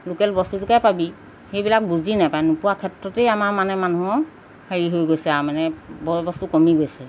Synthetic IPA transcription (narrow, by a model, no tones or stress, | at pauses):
lukɛlbɔstutukajpabi | xejbilak̚buzinajpajnupuwakʰɛtɹɔtejamaɹmanɛmanuɦɔ | haɹiɦojɡojsɛaɹmanɛbɔbɔstukɔmiɡojsɛ